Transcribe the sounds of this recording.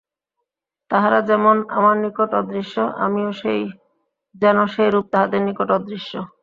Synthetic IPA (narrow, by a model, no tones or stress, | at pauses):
t̪aɦaɾad͡ʑɛmona̰maɾnikoʈɔd̪ɾiʃːoʔa̰mioʃej | d͡ʑɛnoʃejɾup̚t̪aɦad̪eɾnikoʈɔd̪ɾiʃːo